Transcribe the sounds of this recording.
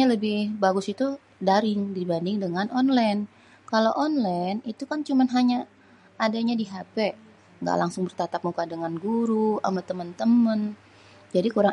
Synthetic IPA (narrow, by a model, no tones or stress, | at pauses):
aləbɪhbaɡʊsit̪u | daɾɪŋdibandɪŋdəŋanʔɔnlajn | kaloʔɔnlajnit̪ukant͡ʃumanɦaɲaː | daɲadiɦapɛ | ŋɡa̰ʔlaŋsʊŋbərt̪at̪ap̚mukadəŋanɡuɾua̰mat̪əmənt̪əmən | d͡ʒadikuɾaŋ